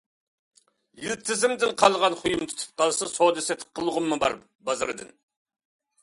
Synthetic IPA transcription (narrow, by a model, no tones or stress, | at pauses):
jilt̪ʰɪzɪmd̪ɪnqʰɑlˠʁɑnχʰujumt̪ʰy̥t̪ʰɨ̥p̚qʰɑlˠsɨsod̪ɨsɛt̪̚ʰqʰːəlˠʁʊmːɨbɑ̰ɾ | bɑzɨɾɨd̪ɨ̰n